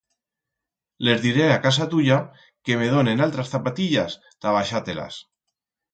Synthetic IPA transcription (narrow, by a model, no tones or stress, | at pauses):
le̞zðiɾeakas̬at̪uʎa | ke̞me̞ðonenalt̪ɾasθapat̪iʎas | t̪aβ̞aʃat̪ela̰s